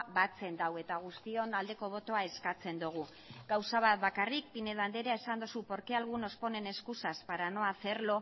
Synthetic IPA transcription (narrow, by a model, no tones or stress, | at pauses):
βat͡se̞nd̪awe̞t̪aɣ̞ust̪io̞nald̪e̞ko̞β̞o̞t̪o̞ae̞skat͡se̞nd̪uɣ̞u | ɡawsaβat̪βakarik̚pine̞ðand̪e̞ɾeaesand̪osupo̞ɾkealɣuno̞spo̞ne̞ne̞skusaspaɾano̞aθe̞ɾlo̞